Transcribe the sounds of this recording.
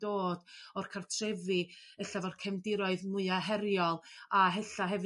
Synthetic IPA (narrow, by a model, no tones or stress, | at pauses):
d̥oːd̥ɔrkʰartʰrɛvɨəɬavɔrkʰɛmdɪɾɔɨðmʊɨaɦɛɾjɔlˠaɦɛɬaɦɛv